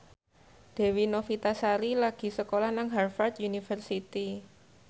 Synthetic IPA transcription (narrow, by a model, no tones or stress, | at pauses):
d̪̥e̤winofit̪asaɾilaɡ̥i̤səkolanaŋɦarfart̪junifərsit̪i